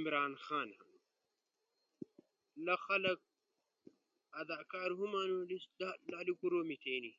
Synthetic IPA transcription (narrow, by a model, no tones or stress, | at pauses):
imɾaːnxaːnhɐnu | lɐxɐlɐk̚ | ɐd̪aːkaːɾɦumaːnulillaːlikuɾoːmit̪ʰeːni